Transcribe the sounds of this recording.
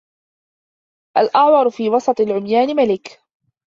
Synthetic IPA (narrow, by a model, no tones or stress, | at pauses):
ʔalʔɑʕwɑɾˤfiːwɑsˤɑt̪ˤɨlʕʊmjaːnɪmalɪk